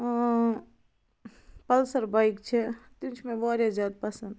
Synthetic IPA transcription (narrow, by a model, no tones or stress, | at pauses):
pɐlsəɾbaikt͡ʃʰet̪it͡ʃʰmẽbaːɾjazaːd̪̚pɐsənd̪